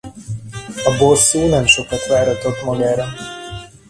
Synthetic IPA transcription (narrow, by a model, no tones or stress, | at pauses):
ɒbosːuːnɛmʃokɒt̪ʋaːɾɒt̪ːot̪mɒɡaːɾɒ